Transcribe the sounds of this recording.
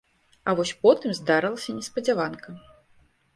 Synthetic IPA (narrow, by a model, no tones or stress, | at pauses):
ɐvɔsʲpɔt̪ɨmzd̪aɾɨlˠɐsʲɐnʲɛspɐd͡zʲɛvankɐ